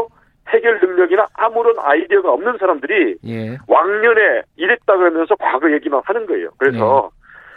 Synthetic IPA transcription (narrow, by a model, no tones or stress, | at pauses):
he̞ɡjʌɭnɯŋɲʌɡinaʔːmuɾʌna̰idiʌɡaʌmnɯnsʰaɾamdɯɾiwaŋɲʌne̞iɾet̚t͈aɡɯɾɦʌmjʌnsʰʌkwaɡɯje̞ɡimanhanɯnɡʌe̞̰jo̰kɯɾe̞sʰʌ